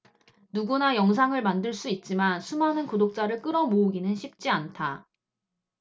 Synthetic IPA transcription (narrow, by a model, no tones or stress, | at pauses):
nuɡunajʌŋs̬ʰaŋɯɭmandɯɭs͈uit̚t͡ɕ͈imansʰumanɯnkodok̚t͡ɕ͈aɾɯɭk͈ɯɾʌmouɡinɯnɕʰip̚t͡ɕ͈iantʰa